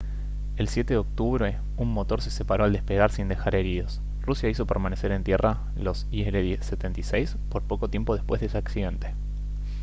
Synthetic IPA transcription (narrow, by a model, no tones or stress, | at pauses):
e̞lsje̞t̪eðeo̞k̚t̪uβɾe̞ | unmo̞t̪o̞ɾse̞sepaɾo̞ald̪espe̞ɣ̞aɾsind̪e̞xaɾe̞ɾiðo̞s | rusjaiso̞peɾmanese̞ɾe̞nt̪je̞ra | lo̞sieleðeset̪e̞nt̪isejs | po̞ɾpo̞ko̞t̪jempo̞ð̞espwe̞zðesaksiðe̞nt̪e̞̥